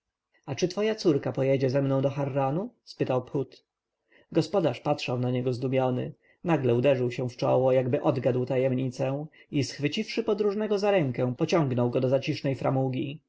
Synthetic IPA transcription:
at͡ʂɘt̪fɔjat̪suɾkapɔjɛd͡ʑɛzɛmnɔ̃w̃d̪ɔxaɾːanuspɘt̪awpxut̪ | ɡɔspɔd̪aʂpatʂawnaɲɛɡɔzd̪umʲjɔnɘ̰ | naɡlɛud̪ɛʐɘwɕɛ̃ft͡ʂɔ̰wɔjaɡbɘʔɔd̪ɡad̪wt̪ajɛmɲit̪sɛisxfɘt͡ɕifʂɘpɔd̪ɾuʐnɛɡɔzaɾɛŋkɛ̃pɔt͡ɕɔ̃ŋɡnɔwɡɔd̪ɔzat͡ɕiʂnɛjfɾamuɡʲi

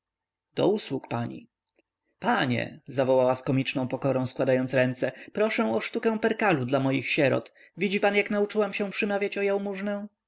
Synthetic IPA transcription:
d̪̥ɔ̰uswukpaɲḭ | paɲɛ̰zavɔwawaskɔmʲit͡ʂnɔ̃w̃pɔkɔɾɔ̃w̃skwad̪ajɔnt̪sɾɛnt̪sɛpɾɔʂɛ̃w̃ɔʂt̪ukɛ̃w̃pɛɾkalud̪lamɔjixɕɛɾɔ̰t̪ | vʲid͡ʑipanjaknaut͡ʂɘwamɕɛ̃pʂɘmavʲjat͡ɕɔjawmuʐnɛ̃

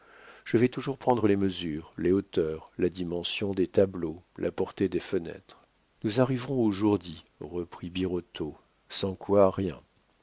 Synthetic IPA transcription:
ʒ̥əvɛt̪uʒuʁpχɑ̃d̪ʁəleməzyːʁleot̪œʁlad̪imɑ̃sjɔ̃d̪et̪ablolʔa̰pɔʁt̪ed̪efənɛ̰t̪χ | nuzaʁivʁɔ̃oʒuʁd̪i | ʁəpχibiʁɔt̪ʰo | sɑ̃kwaʁjɛ̰̃

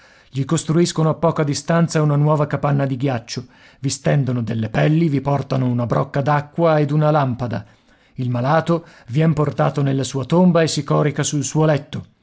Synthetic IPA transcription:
ʎikost̪ɾuiskonoapːɔːkad̪ist̪ant̪saunanwɔːvakapanːad̪iɡjat͡ʃːo | vist̪ɛnd̪onod̪elːepɛlːivipɔrt̪anounabɾʔɔkːad̪akːwaed̪unalampad̪a̰ | ilmalaːt̪ovjɛmport̪a̰ːt̪onelːasuːat̪ombaesːikɔːɾikasulsuːolɛt̪ːo

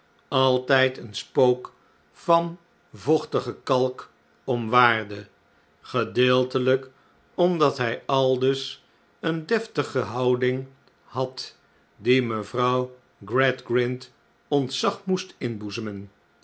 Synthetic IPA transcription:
ɑlˠtɛjtənspowk | fɑn | vɔχtəχəkɑlˠk | ɔmʋaːrdə | χədɪːlˠtələk | ɔmdɑtɦɛjɑlˠdɵs | əndɛftəχəɦɑwdɪŋ | hɑt | diməvrɑw | ɡrɛdɡrɪnt | ɔntsɑχmustɪnbuzəmən

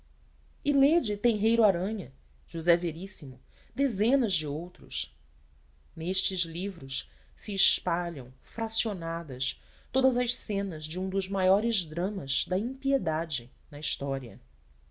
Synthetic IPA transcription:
iled͡ʒɪt̪ẽɦejɾʊaɾɐ̃ɲɐ | ʒ̥uzɛveɾisimʊ | d̪ezẽnɐzd͡ʒɪowt̪ɾʊ̰ʃ | neʃt͡ʃɪzlivɾʊʃ | siːʃpaʎɐ̃w̃fɾasionad̪ɐs | t̪od̪ɐzɐʃsẽnɐzd͡ʒɪũd̪ʊzmajɔɾɪzd̪ɾɐ̃mɐz̥d̪ɐĩpied̪ad͡ʒɪ | nɐiʃt̪ɔɾiɐ̰

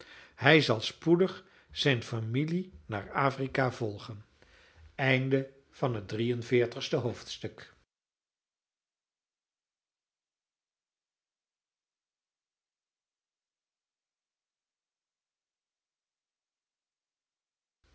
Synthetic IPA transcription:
hɛjzɑlˠspudəχ | z̥ɛjnfamilina̰ːɹaːfrikavɔlˠχən | ɛjndə | v̥ɑnɦət̚drijənvɪːɹtəχstəɦowftstɵk

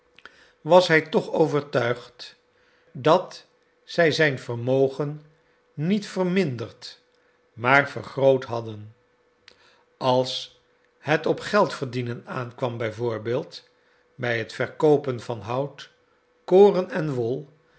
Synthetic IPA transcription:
ʋɑsɦɛjtɔχowvəɹtœɥχt | dɑt | z̥ɛjzɛjnvərmowχənː | itfərmɪndərt | maːrvəɹχrowtɦɑdən | ɑlˠs | hətɔpχɛlˠtfəɹdinənaːnkʋɑmbɛjvʊːɹbɪːlˠt | bɛjɦətfɛɹkowpənvɑnɦʌwt | koːrənɛnʋɔlˠ

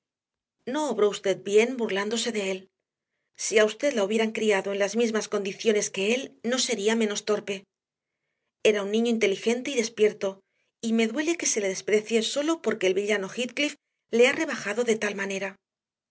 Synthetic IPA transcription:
no̞ːβɾo̞ust̪e̞ð̚bje̞nbuɾland̪o̞se̞ðe̞e̞l | siaust̪e̞ðlauβje̞ɾaŋkɾiaðo̞enlazmizmasko̞nd̪iθjo̞ne̞ske̞e̞lno̞se̞ɾiamẽ̞no̞st̪o̞ɾpe̞ | e̞ɾaunːĩɲo̞int̪e̞lixe̞nt̪e̞iðe̞spje̞ɾt̪o̞ | ime̞ðwe̞le̞ke̞se̞le̞ðe̞spɾe̞θje̞so̞lo̞po̞ɾke̞ːlβiʎano̞xit̪klif | le̞are̞β̞axaðo̞ðe̞t̪almane̞ɾa

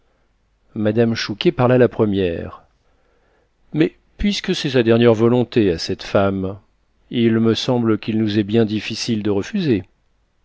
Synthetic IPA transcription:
mad̪amʃukʲepaʁlalapχəmjɛ̰ʁ | mɛ | pɥiskəsɛsad̪ɛʁnjɛʁvɔlɔ̃t̪easɛt̪fam | ilməsɑ̃blkʲilnuzɛbjɛ̃d̪ifisild̪əʁəfyze

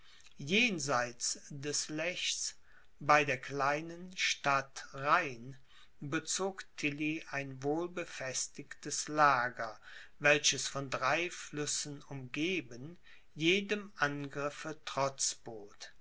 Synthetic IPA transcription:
jeːnzaɪt͡sd̥ɛslɛçs | baɪdeːɐkl̥aɪnənʃtatʁaɪn | bət͡soːktʰɪliʔaɪnvoːlbəfɛstɪktəslaːɡɐ | vɛlɕəsfɔndʁaɪflʏsn̩ʊmɡeːbən | jeːdəmʔanɡʁɪfətʁ̥ɔt͡sb̥oːt

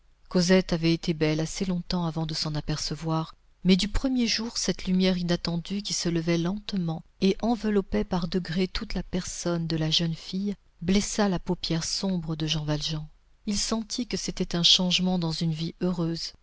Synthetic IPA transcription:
kozɛt̪avɛet̪ebɛlaselɔ̃t̪ɑ̃avɑ̃d̪əsɑ̃napɛʁsəvwaʁ | mɛd̪ypχəmjeʒuʁsɛt̪lymjɛʁinat̪ɑ̃d̪yk̬ʲisələvɛlɑ̃t̪mɑ̃eʔɑ̃vəlɔpɛpaʁd̪əɡʁet̪ut̪lapɛʁsɔnd̪əlaʒœnfij | blɛsalapopjɛʁsɔ̃bʁəd̪əʒɑ̃valʒɑ̃ | ilsɑ̃t̪ʰikəset̪ɛt̪ɛ̃ʃɑ̃ʒmɑ̃d̪ɑ̃zynviøʁøz

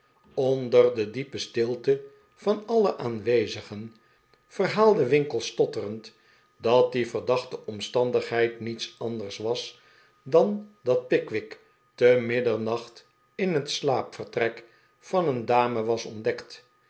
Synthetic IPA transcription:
ɔndərdədipəstɪlˠtə | v̥ɑnɑləʔaːnʋejzəχən | v̥ərɦaːlˠdəʋɪŋkəlˠstɔtərənt | dɑt̚divərdɑχtəʔɔmstɑndəχɦɛjtnitsɑndərsʋɑs | dɑndɑt̚pɪkʋɪk | təmɪdəɹnɑχt | ɪnɦətslaːpfərtrɛk | fɑnəndaːməʋɑsɔndɛkt

